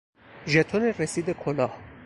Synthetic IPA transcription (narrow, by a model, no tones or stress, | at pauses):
ʒet̪ʰoneɾesiːd̪ekʰolɒːh